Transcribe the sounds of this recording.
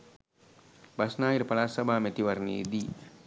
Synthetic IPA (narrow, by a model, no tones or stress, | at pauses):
basnaːjiɾəpalaːsɐbʱaːmɛt̪iʋaɾnḛːd̪iː